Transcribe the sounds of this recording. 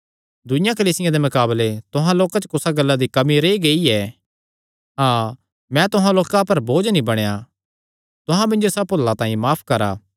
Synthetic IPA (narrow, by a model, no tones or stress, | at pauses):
d̪ʊjãkɐliːsɪjãd̪emɐkaːblet̪ʊɦãloːkat͡ʃkʊsaɡɐlːad̪ikɐmiɾeːiɡeiɛː | ɦãː | mɛ̃t̪ʊɦãloːkapɐɾboːd͡ʒnĩbɐɽ̃ja | t̪ʊɦãmɪ̃nd͡ʒosɐpolːãt̪ãːĩmaːpʰkɐɾa̰ː